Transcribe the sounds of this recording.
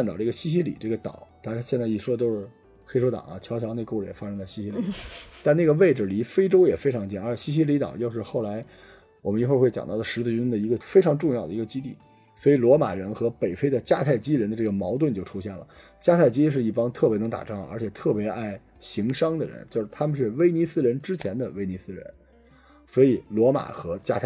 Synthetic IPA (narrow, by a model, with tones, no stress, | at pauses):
nt̪ɑ˨˩ʊʈ͡ʂɤ˥˩ɡə˩ɕi˥ɕ̬i˥lḭ˨˩ʈ͡ʂɤ˥˩ɡə˩t̪ɑ̰˨˩˦ʊt̪ʰa˥ɕjɛ˥˧nt͡sa˥˩ɪi˥˩ʂwɔ˥t̪̬o˥ʊʂɻ̩˥˩ | xe˥ɪʂʰo˥ʊt̪ɑ̰˨˩˦ŋɐ̰˧˦t͡ɕʰjɑ˧˥ʊt͡ɕʰjɑ˧˥ne˥˧ɪko˥˧ʈ͡ʂɻə˩jɛ̰˨˩fa˥ʂɤ˥ŋt̪a˥˩ɕi˥ɕi˥li˨˩t̪a˥˧na˥˩ɡə˩ʋe˥˩ɪʈ͡ʂɻ̩˨˩li˧˥fe˥ɪʈ͡ʂo˥ʊjɛ˨˩fe˥ɪʈ͡ʂʰɑ˧˥ŋt͡ɕi˥˩nə˞˧˥t͡ɕɕi˥ɕ̬i˥li˧˥t̪ɑ̰˨˩ʊt͡ɕjo˥˧ʊʂɻ̩˥˧xo˥˩ʊla˧˥ɪ | wɔ˨˩mə˦ni˧˥xxwe˥˩ɪt͡ɕjɑ̰˨˩ŋt̪ɑ˥˩d̪ə˩ʂɻ̩˧˥t͡s̩˥˩y˥nd̪ə˨i˧˥ɡə˧fe˥ɪʈ͡ʂʰɑ˧˥ŋʈ͡ʂʊ˥˧ŋjɑ˥˩ʊd̪ə˩i˧˥ɡə˧t͡ɕi˥t̪i˥˩ | swɔ˧˥i˧˩lwɔ˧˥ma̰˨˩ɻə˧˥nxɤ˧˥pe˨˩ɪfe˥ɪd̪ə˨t͡ɕja˥˧t̪ʰa˥˩ɪt͡ɕi˥ɻə˧˥nd̪ə˧ʈ͡ʂɤ˥˩ɡə˩mɑ˧˥ʊt̪̬wə˥˧nt͡ɕjo˥˩ʊʈ͡ʂʰu˥ɕjɛ˥˩nlə̰˩ | t͡ɕja˥t̪ʰa˥˩ɪt͡ɕi˥i˧ʂɻ̩˥˧i˥˩pɑ˥ŋt̪ʰɤ˥˩pjɛ˧˥nɤ˧˥ŋt̪a̰˨˩ʈ͡ʂɑ˥˩ŋə̰˧˥t͡ɕʰjɛ˨˩t̪ʰɤ˥˩pjɛ˧˥ʔa˥˩ɪ | ɕi˧˥ŋʂɑ˥ŋd̪ə˨ɻə̰˧˥nt͡ɕjo˥˧ʊʂɻ̩˥˩t̪ʰa˥mə˨˧ʂ̬ɻ̩˥˩we˥ɪni˧˥sɹ̩˥˧ɻə˧˥nʈ͡ʂɻ̩˥t͡ɕʰjɛ˧˥nd̪ə˧ʋe˥ɪni˧˥sɹ̩˥ɻə̰˧˥n | swɔ˧˥i˨˩lwɔ˧˥ma̰˨˩xɤ˧˥t͡ɕja̰˥˧t̪ʰa˥˩